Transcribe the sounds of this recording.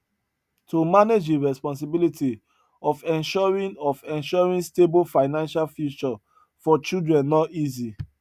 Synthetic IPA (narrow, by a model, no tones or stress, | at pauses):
tʰomaned͡ʒiɹɛspɔ̃ns̬ibiliti | ɔfɛ̃nʃɔɹĩnɔfɛ̃nʃɔɹĩnstebofaɪnãnʃalfjut͡ʃɔ | fɔt͡ʃildɹɛ̃nːɔtizi